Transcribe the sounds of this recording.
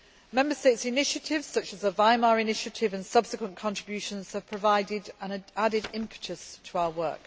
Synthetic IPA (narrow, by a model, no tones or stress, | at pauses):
mɛ̃mbəsteɪtsɪnɪʃətʰɪvz̥sʌt͡ʃəzəvaɪmɑːɹɪnɪʃətʰɪvə̃nsʌb̥sɪkwə̃nkʰɒ̃nɹ̥ɪbjʉˑʃə̃nz̥əv̥pʰɹ̥əvaɪdɪdə̃nadɪdɪ̃mpʰɪ̥t͡ʃəz̥tʰəaʊəwɜ̰ˑk